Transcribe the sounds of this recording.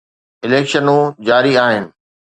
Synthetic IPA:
ɪleːkʃənũd͡ʑaːɾiaːɦɪnɪ̆

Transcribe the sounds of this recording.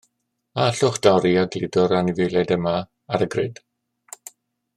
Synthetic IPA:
aaɬʊχd̥awɾiaɡlɪdɔɾaniveːlɛdəma | aɾəɡrɪd̥

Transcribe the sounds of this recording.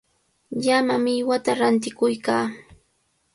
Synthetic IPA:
ʎamamɪjwat̪aɾant̪̬ɪkʊjkaː

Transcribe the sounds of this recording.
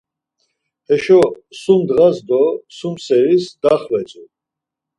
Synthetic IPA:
hɛʃɔ | sumd̪ʁazd̪ɔsumsɛɾisd̪̥aχvɛt͡sʼu

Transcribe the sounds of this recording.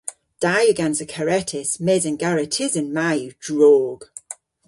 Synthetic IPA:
d̥ajəɡãnsəkʰəɹɛtʰɪsmɛzə̃nɡaɹɪtʰɪzə̃nmajʉd̥ɹɔːɡ̥

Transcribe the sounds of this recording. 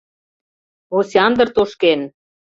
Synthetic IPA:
osʲeɑnd̪ə̆rt̪oʃken

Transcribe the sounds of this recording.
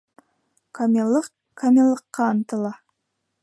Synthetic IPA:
kʰamʲlˠəq | kʰamʲelˠːəqːɑːnt̪əlˠɑ

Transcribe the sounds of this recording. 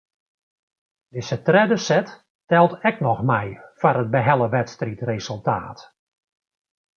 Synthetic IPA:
dɪsətrɛdəsɛt | tɛlˠtɛknɔxmɛjfaɾəd̚bəɦɛlˠəʋɛtstritresəlˠta̰ːt

